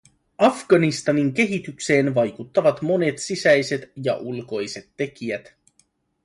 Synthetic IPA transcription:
ɑfɡ̥ɑnist̪ɑniŋk̟e̞ɦit̪ykse̞ːnʋɑjkut̪ːɑʋɑt̪mo̞ne̞t̪sisæjse̞t̪jɑ̰ʔulko̞jse̞t̪ːe̞kiæt̪

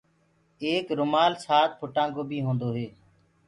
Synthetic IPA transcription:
eːkɾʊmaːlsaːt̪̚pʰʊʈãːŋɡoːbʱiːɦõːnd̪oːɦeː

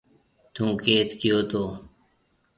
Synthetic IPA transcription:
t̪ũːkeːt̪kɪjoːt̪ʰoː

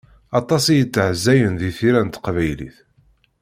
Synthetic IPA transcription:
ɑt̪ˤɑsijət͡sːəʕzːæjənðiθiɾænt̪qvæjlḭθ

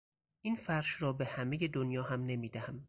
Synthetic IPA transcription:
ʔiːnfæɾʃrɒːbe̞hæme̞je̞d̪onjɒːɦæmne̞miːd̪æhæm

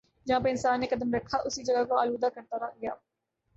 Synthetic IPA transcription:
d͡ʒɐɦãpəɪnsaːnːekɐd̪əmɾɐkʰːaʔʊsid͡ʒɐɡakoaːluːd̪akəɾt̪aɾaɡɪjaː

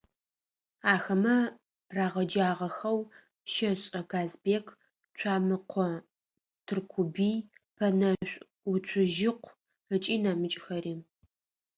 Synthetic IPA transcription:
aːxɐmɐ | raːʁɐd͡ʒaːʁɐxɐw | ʃɐɕʼɐɡaːzbeːkʰ | t͡ɕʷʰaːmɨqʷʰɔ | tʰɨrkʷʰubiː | pʰɐnɐɕʷʼ | ʊt͡sʷʰʊʒɪqʷ | ət͡ʃʼiːnɐmɨt͡ʃʼxɐɾiː

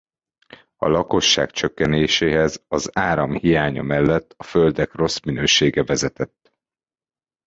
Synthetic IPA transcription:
ɒ̰lɒko̞ʃːa̰ːkt͡ʃø̞kːɛneːʃeːɦɛzɒzaːɾɒmhijaːɲɒ̰mɛlːɛt̪ːɒføld̪ɛkro̞sminøːʃeːɡɛvɛzɛt̪ɛt̪ː

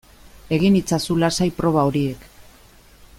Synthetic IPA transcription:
e̞ɣ̞init͡sasulasajpɾo̞βao̞ɾie̞k

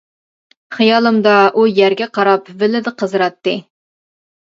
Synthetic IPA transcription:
χijɑːlˠɨmd̪ɑʔujæɾɡʲɛqʰɑɾɑpvɪlɪd̪ɨqʰəzɾɑt̪ːɨ

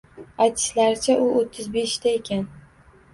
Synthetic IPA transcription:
ajt̪ʰɪ̥slaɾɪt͡ʃʰaʔʊot̪ʰːɪzbe̞ʃt̪ʰae̞kʲʰan

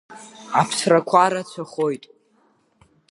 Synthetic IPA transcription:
apʰsrakʷʰaɾat͡sʷʰaχo̞jtʼ

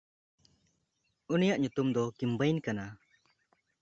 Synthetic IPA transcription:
unijaʔɲut̪umd̪ɔkimbajnkana

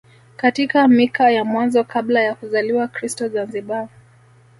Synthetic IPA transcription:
katikamikajamwanzɔkablajakuzaliwakɾistɔzanziɓa

